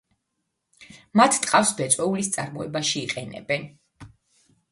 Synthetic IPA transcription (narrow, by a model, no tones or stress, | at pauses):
mat̪ʰt̪ʼqʼafsbɛt̪sʼwɛulist̪sʼaɾmɔɛbaʃiːqʼɛnɛ̰bɛn